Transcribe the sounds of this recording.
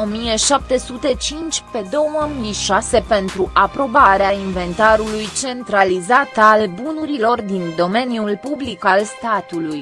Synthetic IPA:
o̞mije̞ʃap̚t̪e̞sut̪e̞t͡ʃint͡ʃʲpe̞d̪o̞wəmiʃase̞pe̞nt̪ɾuʔapɾo̞baɾeainve̞nt̪aɾulujt͡ʃe̞nt̪ɾalizat̪albunuɾilo̞rd̪ind̪o̞me̞njulpublikalst̪at̪uluj

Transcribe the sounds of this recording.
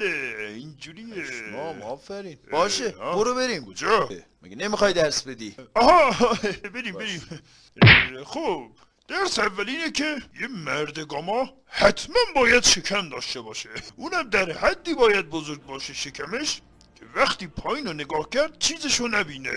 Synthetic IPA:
eind͡ʒuɾiːeɒfæɾiːnbɒːʃeboɾobeɾiːmod͡ʒɒ | mæ̰ɡenemixɒjd̪æɾsbe̞d̪iːɒːɦɒːɦbeɾiːmbeɾiːm | xob | d̪̥æɾsævːæliːnecʲʰejemæɾd̪eɡɒːmɒː | hæt̪ʰmænbɒːjæd̪ʃe̞kʰæmd̪ɒːʃt̪ebɒːʃeʔuːnhæmd̪æɾhæd̪ːiːbɒːjæd̪̚bozoɾɡ̚bɒːʃeʃekʰæmeʃ | cʲʰevæxt̪iːpʰɒːiːnoneɡɒːhcʰæɾd̪̥̚t͡ʃʰiːzeʃonæbiːnḛ

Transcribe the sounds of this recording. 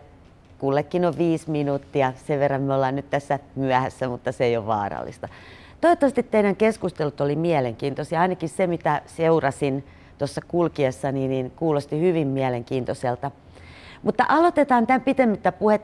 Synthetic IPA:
kulːekːinoʋʋiːsminut̪ːiɑseʋʋerːɑmmeolːɑːnnyt̪t̪æsːæmyæhæsːæmut̪ːɑseijoʋʋɑ̰ːrɑ̰lːḭst̪ɑ̥ | t̪oiot̪ːɑʋɑst̪it̪t̪ːeinæŋkeskust̪elut̪olimiæleŋkiːnt̪osjɑɑinɑkissemit̪æseurɑsin | t̪osːɑkulkiesːɑniːninkuːlost̪ihyʋimmiæleŋkiːnt̪oselt̪ɑ | mut̪ːɑʔɑlot̪et̪ɑːnt̪æmpit̪emːit̪ːæpuhet̪ː

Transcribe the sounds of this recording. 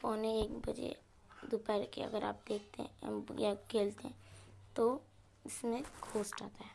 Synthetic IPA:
foːneeːkbɐd͡ʒḛ | d̪upɛːɾkḛɐ̰ɡəɾa̰ːp̚d̪eːk̚ʰt̪ḛjakʰeːlt̪eɦɛ̃t̪o | ɪsmẽkʰoːsʈaːt̪aɦɛː

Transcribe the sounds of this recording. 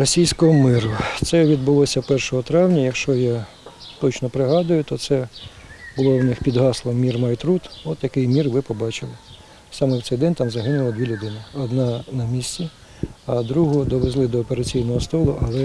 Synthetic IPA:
rɔsʲijsʲkɔɦɔmɪɾʊt̪sɛʋʲid̪bʊlˠɔsʲɐpɛrʃɔɦɔt̪ɾɑwnʲɐjɐkʃt͡ʃɔja | t̪ɔt͡ʃnɔpɾɪɦɑd̪ʊjʊt̪ɔt̪sɛ | bʊlˠɔwnɪxpʲid̪ɦɑslˠɔmʲirmɐjt̪ɾut̪ɔt̪jɐkɪjmʲirʋɪpɔbɑt͡ʃɪlˠɪ | sɑmɛwt̪ɛjd̪ɛnʲt̪ɑmzɐɦɪnʊlˠɐd̪ʲʋʲilʲʊd̪ɪnɪɔd̪nɑnɐmʲisʲt͡sʲi | ɐd̪ɾuɦʊd̪ɔʋezlˠɪd̪ɔːpeɾɐt͡sʲijnɔɦɔst̪ɔlˠʊʔɐlˠɛ

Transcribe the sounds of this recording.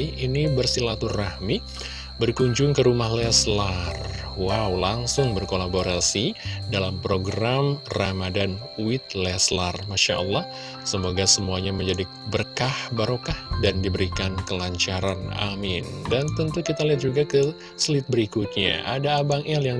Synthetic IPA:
inibərsilat̪urrahmi | bərkuɲd͡ʒʊŋkəɾumahlɛslar | waulaŋsʊŋbərkolaboɾasidalampɾoɡɾamramadan | uwɪt̪̚lɛslarmaʃaʔɔlːɑh | səmoɡasəmuaɲaməɲd͡ʒadi | bərkahbaɾokahdandibəɾikankəlaɲt͡ʃaɾana̰mɪndant̪ənt̪ukit̪aliat̪̚d͡ʒuɡakə | səlɪt̪̚bəɾikʊt̪̚ɲa̰ʔadaːbaŋɛljaŋ

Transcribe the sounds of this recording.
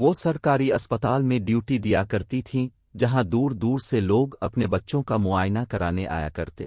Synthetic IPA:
ʋoːsɐɾkaːɾiɐspət̪aːlmẽɖjuːʈid̪ijakɐɾt̪it̪ʰĩ | d͡ʒɐɦãd̪uːɾd̪uːɾseloːɡɐpnebɐtːʃõkamʊaːjnakɐɾaːneʔa̰ːja̰kɐɾt̪ḛː

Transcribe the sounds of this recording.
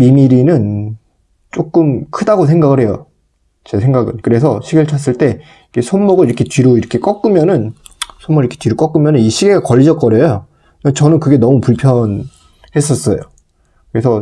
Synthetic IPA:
mimiɾinɯn | t͡ɕ͈ok͈ɯmkʰɯdaɡos̬ʰe̞ŋɡaɡɯɭɦhe̞jo̰ | t͡ɕe̞sʰe̞ŋɡaɡɯnkɯɾe̞sʰʌɕʰiɡiɭt͡ɕʰʌs̬͈ɯɭt͈e̞ | ike̞sʰonːʌɡɯɭiɾʌkʰe̞t͡ɕɥiɾoiɾʌkʰe̞k͈ʌk͈ɯmjʌnɯnsʰomːʌɡɯiɾʌkʰet͡ɕiɾok͈ʌk͈ɯmjʌnɯniɕʰiɡeɡakʌʎːid͡ʑʌt̚k͈ʌɾjejo | et͡ɕʌnɯnkɯɡe̞nʌmupuɭpʰjʌn | he̞s̬͈ʌs͈ʌjo | kɯɾe̞sʰʌ

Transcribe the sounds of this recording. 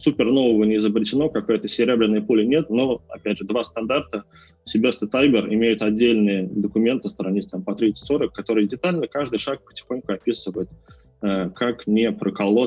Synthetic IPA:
supʲɪrno̞vəvənʲɪɪzəbɾʲɪt͡ɕʲɪno̞kɐko̞jt̪əsʲɪɾʲe̞blʲɪnːəjəpulʲɪnʲe̞t̪noɐ̰pʲædʲʐɨd̪vast̪ɐnd̪art̪ə | sʲɪbʲest̪ət̪ajbʲɪrɪmʲejʊt̪ɐdʲːelʲnɨjəd̪əkʊmʲe̞nt̪ɨst̪ɾɐnʲisʲt̪ampɐt̪ɾʲit̪sə̥tʲsoɾəkːɐt̪o̞ɾɨjədʲɪt̪alʲnəkaʐd̪ɨjʂak̚pə̥tʲɪ̥xonʲkʊɐpʲisɨvəjɪt̪ | əkʰaknʲɪpɾəkɐlˠo

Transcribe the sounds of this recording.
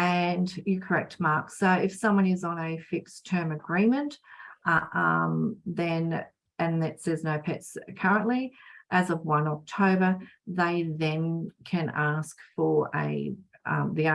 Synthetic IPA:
ʔɨ̃njɨkʰə˞ɛk̚tmɑɹksoʊɪfsʌ̃mwʌ̃nɨzn̩ɨfɪkstʰɜ̃˞mɨɡɹĩmɨ̃nʔ | ʔʌ̃mðɨ̃n | ʔɨ̃nðɨtsɛznoʊpʰɛtsɨkʰɜɹə̃nʔliʔɨzʌvwʌ̃nɑk̚tʰoʊbə˞ðeɪðɨ̃nkʰɨ̃næskfə˞ə̰ | ʌ̰ði

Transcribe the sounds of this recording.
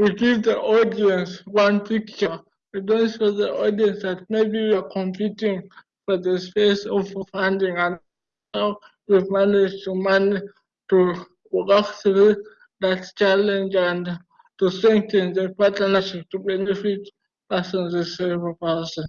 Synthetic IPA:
wiɡivdiʔɔdiɛ̃nswãnpʰikt͡ʃə | adõnsfɔðiʔɔdiɛ̃nsdat̚mebiwiakʰɔ̃mpʰitĩŋ | fɔðəspesɔvɔfãndĩŋãn | a | wivmanɛd͡ʒtuman | tu | aks | d̪att͡ʃalɛ̃nd͡ʒãn | tustɹɛ̃ŋk̚θɛ̃nðəpatnənaʃip̚tubɛnifit | pʰɛsɔ̃nzizsɛvəpɛsɔ̃n

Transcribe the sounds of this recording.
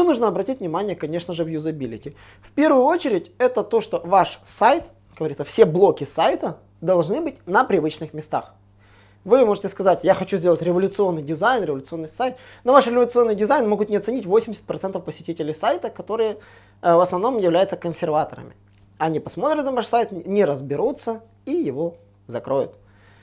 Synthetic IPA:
onuʐnəɐbɾɐtʲitʲvnʲɪmanʲɪjəkɐnʲe̞ʂnəʐɨvjʊzɐbʲilʲɪ̰tʲɪ | fpʲe̞rvʊjʊo̞t͡ɕɪɾʲɪtʲɛt̪ət̪o̞ʂt̪o̞vaʂsajt̪ | ɡ̥əvɐɾʲit̪səfsʲe̞blˠo̞kʲɪsajt̪ə | d̪ɐlˠʐnɨbɨtʲnəpɾʲɪvɨt͡ɕnɨxmʲɪst̪a̰x | vɨmo̞ʐɨtʲɪskɐzatʲjaxɐt͡ɕuzʲdʲelˠətʲɾʲɪvəlʲʊt̪sɨo̞nːɨjdʲɪzajnɾʲɪvəlʲʊt̪sɨ̞nːɨɪjsajt̪ | novaʂɾʲɪvəlʲʊt̪sɨo̞nːɨjdʲɪzajnmoɡʊt̪nʲɪɐt̪sɨnʲitʲvo̞sʲɪmʲdʲɪsʲɪ̥t̚ʲpɾɐt̪sɛnt̪əfpəsʲɪtʲitʲɪlʲɪjsajt̪əkɐt̪o̞ɾɨjə | vəsnɐvno̞mjɪvlʲæjʊt̪səkənsʲɪrvat̪əɾə̰mʲɪ̰ | ɐnʲipɐsmo̞t̪ɾʲɪt̪nɐvaʂsajt̪nʲɪɾəzbʲɪɾut̪sə | ijɪvo̞ | zɐkɾo̞jʊ̰t̪̚

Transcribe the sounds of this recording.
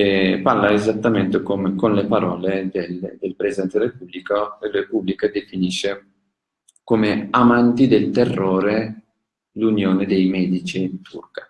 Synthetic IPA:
eparlaezat̪ːament̪ekomekonlepaɾɔːled̪eld̪elpɾezid̪ɛnt̪ed̪ɾepublikoelepublikad̪efiniʃːe | komeamant̪id̪elt̪erːoːɾe | lunjoːned̪ejmɛːd̪it͡ʃint̪ʰṵrkḁ

